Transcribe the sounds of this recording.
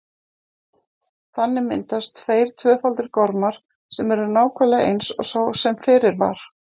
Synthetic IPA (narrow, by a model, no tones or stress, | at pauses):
θanːɪmɪ̰nt̪ast̪ʰveːjɾ̥t̪ʰvœːfalt̪ɪɾ̥kɔɾmaɾ̥ | sɛmɛɾʏɾnaːwkʰɛlaḛjnsɔ̰ɣsaːwsɛmfɪːɾɪɾva̰ɾ̥